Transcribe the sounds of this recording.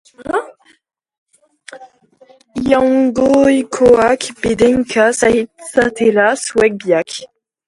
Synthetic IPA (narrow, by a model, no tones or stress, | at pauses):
jãwɡojkʰoakbed̪ɛŋkʰasahid̪sat̪ʰelaswɛk̚bjak